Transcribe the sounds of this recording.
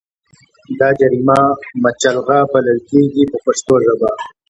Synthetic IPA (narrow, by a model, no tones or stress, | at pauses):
d̪ɑːd͡ʒaɾimamat͡ʃalɣabɐləlkeɡipəpaʂt̪oʐaba